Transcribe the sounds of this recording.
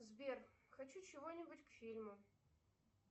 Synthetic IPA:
zbʲerxɐt͡ɕut͡ɕɪvonʲɪbʊtʲkfʲilʲmʊ

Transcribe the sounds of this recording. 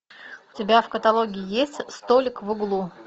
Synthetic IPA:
ʊ̥tʲɪbʲafkət̪ɐlˠo̞ɡʲɪɪjesʲtʲst̪olʲɪkvɨɡlˠu

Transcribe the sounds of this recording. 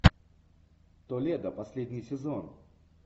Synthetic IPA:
t̪olʲed̪əpɐsʲlʲedʲnʲɪjsʲɪzon

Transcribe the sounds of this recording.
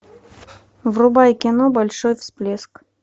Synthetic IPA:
vrubɑjkʲinobɐlʲʂojfsplʲesk

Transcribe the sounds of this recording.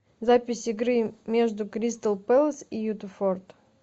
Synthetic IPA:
zapʲɪsʲɪɡɾɨmʲe̞ʐd̪ʊkɾʲist̪əlˠpɛlˠsijut̪əfort̪

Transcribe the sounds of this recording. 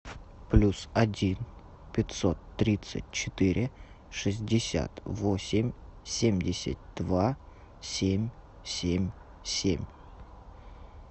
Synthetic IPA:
plʲusɐdʲin | pʲɪt̪ʲsot̪ːɾʲit̪sɨ̰t̚ʲt͡ɕɪt̪ɨɾʲʔɪ | ʂɨzʲdʲɪsʲa̰t̪vosʲɪmʲsʲemʲdʲɪsʲɪ̰t̚ʲd̪̥va | sʲemʲ | sʲemʲ | sʲemʲ

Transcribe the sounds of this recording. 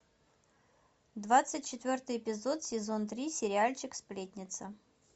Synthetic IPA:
d̪vat̪sɨtʲt͡ɕɪt̪vʲo̞rt̪ɨjɪpʲɪzot̪sʲɪzo̞nt̪ɾʲisʲɪɾʲɪalʲt͡ɕɪksplʲetʲnʲɪt̪sə

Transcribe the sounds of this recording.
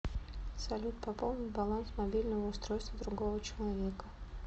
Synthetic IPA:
sɐlʲut̪pɐpolˠnʲɪt̪bɐlˠansmɐbʲilʲnəvəʊst̪ɾojst̪vəd̪ɾʊɡovət͡ɕɪlˠɐvʲekə

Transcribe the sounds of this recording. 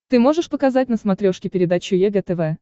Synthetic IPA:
t̪ɨmo̞ʐɨʂpəkɐzat̚ʲnəsmɐt̪ɾʲo̞ʂkʲɪpʲɪɾʲɪd̪at͡ɕʊjɛɡɛt̪ɛvɛ

